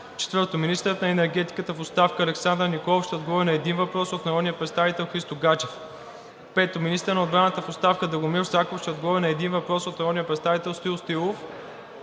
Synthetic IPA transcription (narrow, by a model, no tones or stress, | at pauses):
t͡ʃɛ̥t̪vəɾt̪ominist̪əɾət̪nɐɛnɛɾɡɛt̪i̥kət̪əfot̪st̪afkəɐlɛksand̪ɾənikɔlˠofʃt̪ɛod̪̚ɡovɔɾinɐɛd̪invɐpɾɔsot̪nɐɾɔd̪niəpɾɛt̪st̪avit̪ɛlˠxɾist̪oɡat͡ʃɛf | pɛt̪ominist̪əɾnɐod̪bɾanət̪əfost̪afkəd̪ɐɡomiɾsakofʃt̪ɛod̪̚ɡovɾinɐɛd̪invɐpɾɔsot̪nɐɾɔd̪nijəpɾɛt̪st̪avit̪ɛlˠst̪ilˠst̪ilˠof